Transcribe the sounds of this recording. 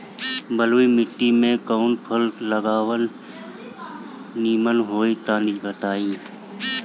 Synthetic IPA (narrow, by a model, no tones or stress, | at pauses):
bəloːimɪʈːimẽkəʊnpʰəlːəɡaːwən | iːmənɦoːit̪aːnɪd͡ʒbət̪aːiː